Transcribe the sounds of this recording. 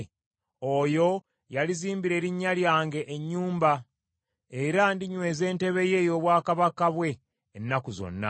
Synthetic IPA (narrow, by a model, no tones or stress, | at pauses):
ojo̞ | jaliziːmbiɾe̞ːɾiɲːaljaːŋɡe̞ʔːɲːuːmba | eɾandiɲwe̞ːze̞ːnte̞βe̞je̞ːjo̞ːβwaːkaβakaβwe̞ː | nːakuzo̞̰nːa̰